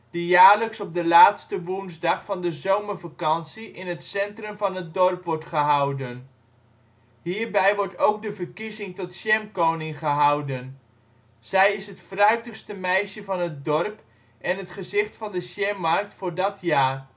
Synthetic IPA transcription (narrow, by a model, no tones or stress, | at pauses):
d̥ijaːɹləksɔb̚dəlaːtstəʋunzdɑχfɑndəzowməɹvakɑnsiʔɪnɦətsɛntrɵmvɑnɦət̚dɔɹpʋɔɹtχəɦɑwdən | ɦiːɹbɛjʋɔɹtowɡ̚dəvəɹkizɪŋtɔtʃɛmkownɪŋχəɦɑwdən | z̥ɛjɪsɦətfrœɥtəχstəmɛjʃəvɑnɦət̚dɔrp | ʔɛnɦətχəzɪχtfɑndəʃjɛmːɑɹk̚tfʊːɹdɑtjaːr